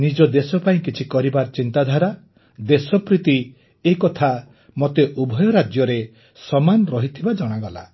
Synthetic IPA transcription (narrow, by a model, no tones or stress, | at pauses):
nid͡ʒɔd̪esɔpaĩkit͡ʃʰikɔɾibaɾt͡ʃint̪ad̪ʱaɾa | d̪esɔpɾit̪i | ekɔt̪ʰa | mot̪eʔubʱɔjɔɾad͡ʒjɔɾe | sɔmanɔɾɔɦit̪ʰibad͡ʒɔɽ̃aɡɔla̰